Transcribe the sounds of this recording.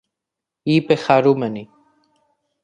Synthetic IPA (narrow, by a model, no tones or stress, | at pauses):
ipeχaɾumɛni